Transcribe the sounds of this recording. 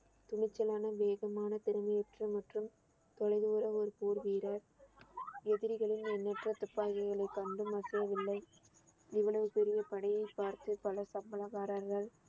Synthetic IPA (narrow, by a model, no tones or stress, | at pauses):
t̪ʊɳɪt͡ʃːɐlaːnɐʋeːɣɐmaːnɐt̪ɪɾɯmɐjɛʈrɐmɐʈrɯm | t̪ɔɻɐɪðuːɾɐɔɾɯpuːɾʋiːɾɐɾ | ɛðɪɾɪɣɐɭɪnɛnːɐʈrɐt̪ʊpːaːʋɐɪɣɐɭɐɪkːɐɳɖɯmɐsɐjɐʋɪlːɐɪ | ɪʋɐɭɐʋɯpɛɾɪjɐpɐɳɐjɐɪpːaːɾt̪ɯpɐlɐsɐmbɐlɐɣaːɾɐɾɣɐɭ